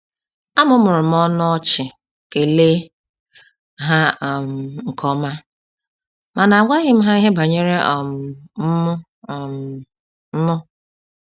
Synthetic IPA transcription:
a˦mʊ˦mʊ˨ɾʊ˨m̩˦ɔ˦n˦ɔ˦t͡ʃɪ˨ | ke˨le˦ | ɦa˦˨m̩˨ŋ̩˨kʰɔ˦ma˦ | ma˨na˨a˨ɡʷa˦ɣɪ˦m̩˦ɦa˦i˦ɦe˦ba˨ɲe˦ɾe˦ʔɔ˨m˨m̩˦mʊ˦˨ | m˨ | m̩˦mʊ˦

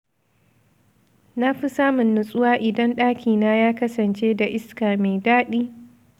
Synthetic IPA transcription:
na˦ɸi˦saː˦mʊ˨nːʊ˨sʼʊ˦waː˦ʔɪ˨dɐ˦nɗaː˦kʲʰiː˨naː˦jaː˦kɐ˦sɐ˨nt͡ʃeː˦da˨ʔɪ˦skaː˨me˨jdaː˦ɗiː˦

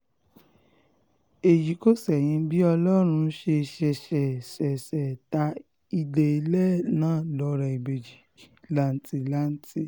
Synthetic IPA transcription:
e˨ji˨˦ko˦˨sɛ˨j̃ĩ˧bi˦ɔ˧lɔ˦ɾ̃ũ˧˦ʃe˧ʃɛ˧ʃɛ˨sɛ˨sɛ˨ta˧˦ | i˧de˧i˧lɛ˦nãː˦˨lɔ˨˦ɾɛ˨i˨be˨d͡ʒi˨ | la˦n̩˦ti˨la˦n̩˦ti˦

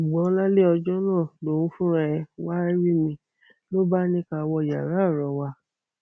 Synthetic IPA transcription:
u˨ɡ͡bɔ̃˨˦la˦le˦ɔ˧d͡ʒɔ˦nãː˦˨lo˨ũ˨˦fũ˦ɾɛ˧˦˧wa˦ɾi˦mĩ˧ | lo˦ba˦nĩ˦ka˧wɔ˧˨ja̰˨ɾa˨˦˨ɾɔ˨˦wa˧

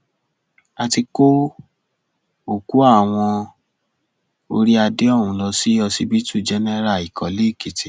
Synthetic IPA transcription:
a˧ti˧ko˦ | o˦˨ku˨˦a˦˨w̃ɔ̃˧ | o̰˧ɾi˦a˧de˦ɔ˦˨wũ˨˦lɔ˧si˦ɔ˧si˧bi˦tu˦˨d͡ʒɛ˧˦nɛ˦ɾa˦˨i˨kɔ˨le˦˨ki˨ti˨

